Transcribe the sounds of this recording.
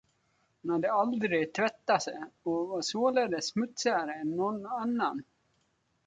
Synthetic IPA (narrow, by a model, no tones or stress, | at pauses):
hʊnhad̪ːəald̪ɾɪɡt̪ʰvɛt̪ːasɛɔvasoːlɛd̪əsmɵt̪sɪaɾəɛnːɔnːanːan